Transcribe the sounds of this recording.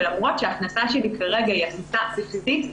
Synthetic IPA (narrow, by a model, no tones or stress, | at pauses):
lamʁo̞tʃeaχnasaʃelikʰaʁeɡaiaχnasasifizit̪